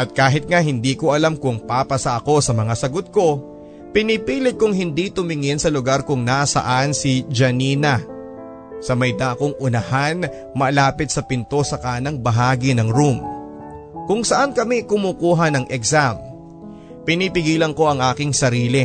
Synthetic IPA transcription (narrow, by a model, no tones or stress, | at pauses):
ʔɐt̪̚kaːɦɪt̪̚ŋaɦɪnd̪iːko̞ʔɐlamkʊŋpapɐsɐʔɐko̞sɐmɐŋasɐɡot̪̚ko̞ | pɪnipiːlɪt̪̚kːʊŋɦɪnd̪it̪ʊmɪŋɪnsɐlʊɡaɾkʊŋnaʔsɐ̰ʔansid͡ʒɐniːnɐ | sɐmɐjd̪aʔkoŋʔʊnɐhan | mɐlaːpɪt̪̚sɐpɪnt̪o̞sɐkaːnɐŋbɐɦaːɡinɐŋɾum | kʊŋsɐʔankɐmikʊmuːkuːɦɐnɐŋʔɛksam | pɪnipɪɡiːlɐnko̞ʔɐŋʔaːkɪŋsɐɾiːlɪ